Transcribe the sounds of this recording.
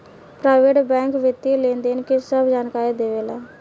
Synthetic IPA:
pɾaːɪʋeːʈbɛ̃ːŋkʋɪt̪ːilẽːnd̪eːnkisəbd͡ʒaːnkaːɾiːd̪eːʋeːlaː

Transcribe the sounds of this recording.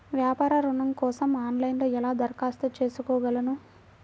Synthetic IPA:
ʋjaːpaːɾɐɾuɳɐmkɔːsɐmaːnlɐjnloːɛlaːd̪ɐɾkaːst̪ɐt͡ʃe̞ːsukɔːɡɐlɐnu

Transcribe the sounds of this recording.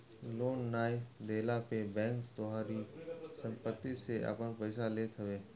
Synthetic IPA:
loːnːaːjd̪eːlapebɛ̃ːŋkt̪ʊɦaːɾisə̃mpət̪ːisea̰pənpəɪsaleːt̪ʰəʋeː

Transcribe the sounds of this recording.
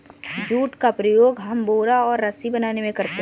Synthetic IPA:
d͡ʒuːʈkapɾəjoːɡɦɐmboːɾaɔːɾːɐsibɐnaːnemẽkɐɾt̪e

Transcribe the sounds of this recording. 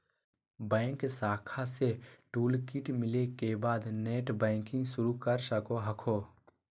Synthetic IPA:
bɛ̃ːŋksaːkʰaseʈuːlkɪʈmɪlekebaːd̪neːʈbɛ̃ːŋkɪ̃ŋɡsʊɾukəɾsəkoɦɐkʰoː

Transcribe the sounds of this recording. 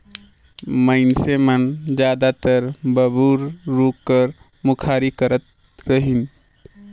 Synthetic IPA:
məɪnsemənd͡ʒjad̪at̪əɾbəbuɾɾukːəɾ | mukʰaɾikəɾət̪̚ | ɾəɦin

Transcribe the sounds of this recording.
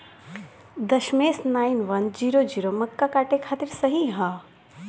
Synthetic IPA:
d̪ɐʃmeːsnaːɪnʋɐnd͡ʒiːɾod͡ʒiːɾomɐkːakaːʈekʰaːt̪iɾsɐɦĩɦã

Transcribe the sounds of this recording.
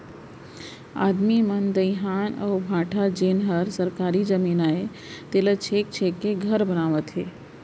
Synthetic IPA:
a̰ːd̪mimənd̪əɪɦaːnə̰ʊbʱãːʈʰad͡ʒeːnɦəɾsəɾkaːɾid͡ʒəmiːnae | t̪eːlət͡ʃʰeːk̚t͡ʃʰeːkːeɡʱəɾbənaːʋət̪ɦeː

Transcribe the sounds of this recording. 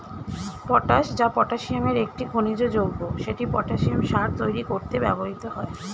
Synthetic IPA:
pɔʈaʃd͡ʑapɔʈaʃiameɾek̚ʈiɡʱonid͡ʑod͡ʑoɡːoʃeʈipɔʈaʃiamʃaɾt̪ojɾikoɾt̪ebɛ̰boɦit̪oɦɔe

